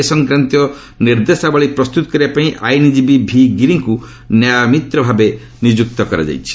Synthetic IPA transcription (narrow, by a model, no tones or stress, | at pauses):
esɔŋkɾant̪ijɔ | niɾd̪esabaɭipɾɔst̪ut̪ɔ̥kɔɾibapaĩʔa̰jnid͡ʒibibʱiɡiɾiŋku | njajmit̪ɾɔbʱabe | nid͡ʒuk̚t̪ɔkɔɾa̰d͡ʒa̰jt͡ʃʰi̥